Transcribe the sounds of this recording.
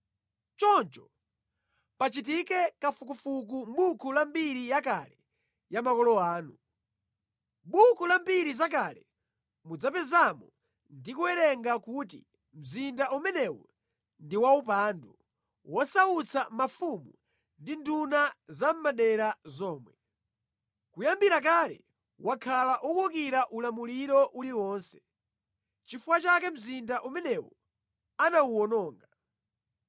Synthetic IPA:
t͡ʃɔnt͡ʃɔ | pat͡ʃit̬ikɛkafuk̬ufuk̬umɓukʰulambiɾijak̬alɛ | jamakɔlɔaːnu | ɓukulambiɾizak̬alɛ | mud͡zapɛzamɔ | ndikuwɛɾɛŋɡakutḭ | m̩zindaʔumɛnɛwɔ̰ | ndiwaupandu | wɔsaut͡sʰamafumu | ndindunazam̩maɗɛɾazɔːmwɛ | kujambiɾak̬aːlɛ̰ | wakʰalaʔukukiɾaʔulamuliɾɔʔuliwɔːnsɛ̥ | t͡ʃifuwat͡ʃak̬ɛm̩zindaʔumɛnɛwɔ̰ | anauɔnɔːŋɡa

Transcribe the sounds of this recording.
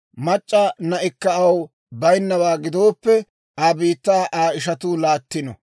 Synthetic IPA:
mɐt͡ʃʼːɐnɐʔɪkːɐɐw | bɐjnːɐwaːɡɪd̪o̞ːpːɛ | aːbiːt̪ːaːʔaːɪʃɐt̪uːlaːt̪ːɪnɔ̰

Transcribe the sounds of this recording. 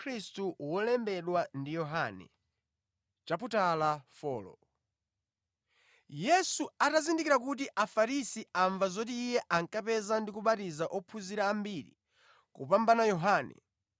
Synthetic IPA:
kʰɾistuwɔlɛmbɛɗwandijɔɦanɛ̰ | t͡ʃap̬utalafɔ̰ːlɔ̰ | jɛsuatazindik̬iɾak̬ut̬iʔafaɾisiaɱvazɔtiːjɛʔaŋkapɛzandikuɓatizaʔɔpʰuziɾaːmbiɾḭ | kṵpambanajɔɦaːnɛ̰

